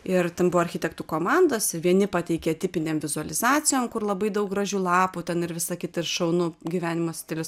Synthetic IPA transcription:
ɪrt̪ʲɛnbʊʋoːɐɾʲxʲɪt̪ʲɛkt̪uːkoːmɑnd̪oːsʋʲiɛnʲɪpɑt̪ʲɛɪkʲeːt̪ʲɪpʲɪnʲeːmʋʲɪzʊɐlʲɪzɑːt͡ssʲɪjoːmkʊrlˠɐbɐɪd̪ɐʊk̚ɡrɐʒʲuːlˠɑːpuːt̪ʲɛnɪɾʋʲɪsɐkʲɪt̪ɐɪrʃɐʊnuɡʲiʋʲæːnʲɪmoːsʲt̪ʲɛlʲɪs

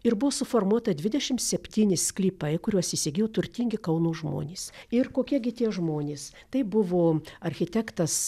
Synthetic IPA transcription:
ɪrbʊʋoːsʊfoːrmuɔt̪ɐd̪ʲʋʲɪd̪ʲɛʃʲɪmt̪sʲɛpʲt̪ʲiːnʲɪssʲklʲiːpɐɪkʊɾʲuɔsɪsʲɪɡʲiːjot̪ʊrʲt̪ʲiŋʲɡʲɪkɐʊnuːʒmo̰ːnʲeːsɪrkoːkʲiɛɡʲɪt̪ʲiɛʒmoːnʲeːs | t̪ɐɪbʊʋoːɐrʲxʲɪt̪ʲæːkt̪ɐs

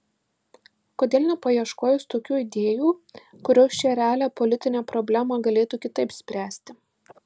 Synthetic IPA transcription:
koːd̪ʲeːlʲˠnʲɛpɐjiɛʃkoːjʊst̪oːkʲuːɪd̪ʲeːjuː | kʊɾʲoːst͡ʃʲɛɾʲɛæːlʲæːpɔlʲɪt̪ʲɪnʲeːpɾɔbʲlʲæmɑɡɐlʲeːt̪uːkʲɪt̪ɐɪpsʲpʲɾʲæːsʲt̪ʲɪ

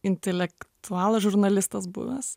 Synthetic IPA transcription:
ɪnʲt̪ʲɛlʲɛkt̪ʰʊɑːlˠɐʒʊɾnɐlʲɪst̪ɐsbʊ̰ʋʲɛs

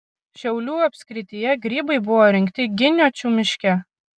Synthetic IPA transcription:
ʃʲɛʊlʲuːɐpʲsʲkɾʲɪt̪ʲijɛɡɾʲiːbɐɪbʊʋoːɾʲɪŋʲkt̪ʲɪɡʲɪnʲoːt͡ʃʲuːmʲɪʃʲkʲɛ

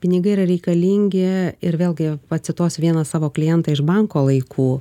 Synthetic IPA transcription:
pʲɪnʲɪɡɐɪiːɾɐɾʲɛɪkɐlʲiːŋʲɡʲɪɪɾʋʲeːlˠʲɡʲɪpɐt̪ʲsʲɪt̪oːsʲʋʲiɛnɐsɑːʋoːklʲɪjɛnt̪ɑɪʒbɐŋkoːlˠɐɪkʰuː

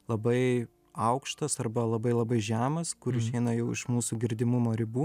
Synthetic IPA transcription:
lˠɐbɐɪ | ɐʊkʃt̪ɐsɐrbɐlˠɐbɐɪlˠɐbɐɪʒʲæːmɐskʊɾɪʃʲɛɪnɐjɛʊɪʃmuːsuːɡʲɪɾʲd̪ʲɪmʊmoːɾʲɪbuː

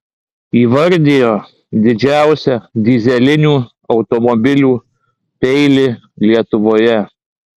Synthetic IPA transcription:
iːʋɐɾʲd̪ʲeːjoː | d̪ʲɪd͡ʒʲæˑʊsʲɛd̪ʲɪzʲɛlʲɪnʲuː | ɒʊt̪omɔbʲɪlʲuː | t̪ʲɛɪlʲɪ | lʲiɛt̪ʊʋoːjɛ

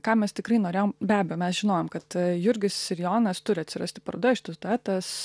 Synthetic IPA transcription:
kɑːmʲɛst̪ʲɪkrɐɪnoːɾʲeːjoːmbʲæːbʲɛjoːmʲɛsʒʲɪnoːjoːmkɐt̪jʊɾʲɡʲɪsːʲɪɾʲjoːnɐst̪ʊɾʲɪɐt̪ʲsʲɪrɐ̰sʲt̪ʲɪ̥pɐrɐd̪ɐɪʃɪt̪ɐsd̪oːɛːt̪ɐs

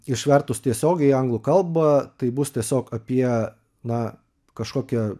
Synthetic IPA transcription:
ɪʃʲʋʲɛɾt̪ʊst̪ʲiɛsʲoːɡʲɛɪɐŋɡlˠʊkɐlˠbɐt̪ɐɪbʊst̪ʲiɛsʲoːkɐpʲiɛ | nɐ | kɐʃkoːkʲɛ

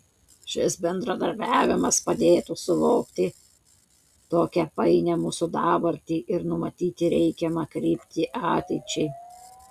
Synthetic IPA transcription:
ʃʲɪsbʲɛnd̪ɾɐd̪ɐɾʲbʲæːʋʲɪmɐspɐd̪ʲeːt̪usʊʋoʊkt̪ʲɪ | t̪oːkʲɛpɐɪnʲɛmuːsʊd̪ɑːbɐɾʲt̪ʲiːʔɪɾnʊmɐt̪ʲiːt̪ʲɪɾʲɛɪkʲɛmɐkɾʲiːpʲt̪ʲiːʔɑːt̪ʲɛɪt͡ʃʲɛɪ

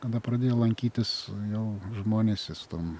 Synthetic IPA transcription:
kɐd̪ɐpɾɐd̪ʲeːjoːlˠɐŋʲkʲiːt̪ʲɪsjɛʊʒmoːnʲeːsʲɪst̪oːm

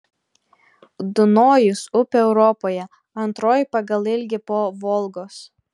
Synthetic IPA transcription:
d̪ʊnoːjʊsʊpʲeɛʊɾɔpoːjɛ | ɐnt̪ɾoːjpɐɡɐlˠɪlʲɡʲɪpoːʋɔlˠɡoːs

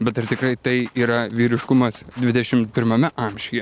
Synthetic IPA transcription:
bʲɛt̪ɐrt̪ʲɪkɾɐɪt̪ɐɪiːɾɐʋʲiːɾʲɪʃkʊmɐsd̪ʲʋʲɪd̪ʲɛʃʲɪmpʲɪɾmɐmʲɛʔɐmʲʃʲɪjɛ

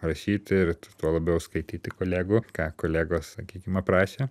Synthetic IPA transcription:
rɐʃʲiːt̪ʲɪɾt̪uɔlˠɐbʲɛʊskɐɪt̪ʲiːt̪ʲɪkoːlʲæːɡʊkɑːkoːlʲæːɡoːssɐkʲiːkʲɪmɐpɾɑːʃʲeː

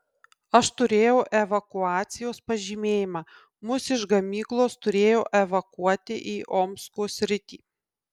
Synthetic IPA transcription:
ɐʃt̪ʊɾʲeːjɛʊʔɛʋɐkʊɑːt̪sʲɪjoːspɐʒʲiːmʲeːjɪmɑː | mʊsɪʃɡɐmʲiːklˠoːst̪ʊɾʲeːjoːʔɛʋɐkuɔt̪ʲɪ̰ʔiːʔoːmskoːsʲɾʲɪt̪ʲḭː

